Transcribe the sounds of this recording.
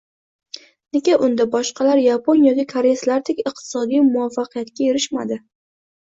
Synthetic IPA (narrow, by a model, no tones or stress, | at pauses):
nɪɡʲaʔʊnd̪abɒʃqʰɑlaɾjaponjɒkʲikʰaɾeslaɾt̪ʰekʲɨqt̪ʰɪ̥sɒd̪ijmʊafːaqʰɨjat̪kʲajeɾɪʃmad̪ɪ